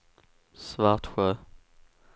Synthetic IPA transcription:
svɑːʁt̪ɧø

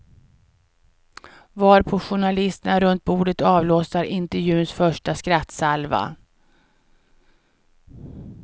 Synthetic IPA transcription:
vaːɾpʰɔɧʊɳalɪst̪ənaɾɵnt̪̚buːɖət̪ɑːvloːsaɾɪnt̪ɛɾjʉ̟ːnsfœʂʈaskɾat̪ːsalva̰

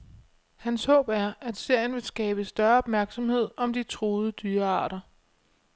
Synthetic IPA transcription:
hænshɔ̰̽ːb̥æɐʔæd̥se̝ɐ̰jənʋe̝sɡ̥ɛːb̥əsd̥ɶɐɒ̽b̥̚mæɐɡ̥sɒ̽mhe̝ð̞̰ˠɒ̽md̥it͡sʰʁoːðˠəd̥yːɐɑ̰̈ːɾ̥ɐ

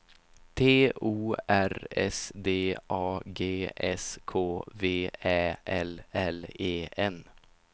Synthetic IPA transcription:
t̪ʰeːuːæɾɛ̰sd̪eːʔɑːɡeːɛskʰoːveːɛːʔɛlɛleːɛn

